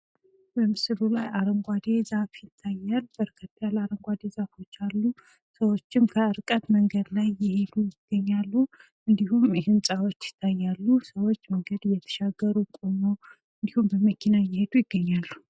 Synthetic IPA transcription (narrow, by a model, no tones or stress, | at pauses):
bəmɨsɨɾulajaɾəŋɡʷad̪e̞zafjɪt̪ʰːajːalːbəɾkʰət̪ːjalaɾəŋɡʷad̪e̞zafo̞t͡ʃːalːu | səwo̞t͡ʃːɪmkʰəɨɾkʼət̪məŋɡəd̪lajːɪhe̞d̪ujɪɡ̥ːəɲːalːu | ɨnd̪ihumhɪnsʼawo̞t͡ʃːjɪ̥t̪ʰːajːalːusəwo̞t͡ʃːməŋɡəd̪ɨjːɛt̪ʰə̥ʃaɡːəɾukʼomo | ɨnd̪ihumbəməkʰinajɪhe̞d̪ujɪɡːəɲːalːu